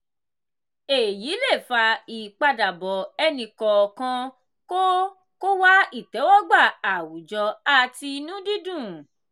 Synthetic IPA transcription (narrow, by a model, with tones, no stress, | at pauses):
e˨ji˨˦le˦˨fa˧i˨k͡pa˧da˨bɔ˨ɛ˧nĩ˧kɔ˨kã˧ | ko˦ | ko˦wa˦i˦˨tɛ˨˦wɔ˦ɡ͡ba˦˨a˨wu˨d͡ʒɔ˧a˦˨ti˧nũ˦di˦dũ˦˨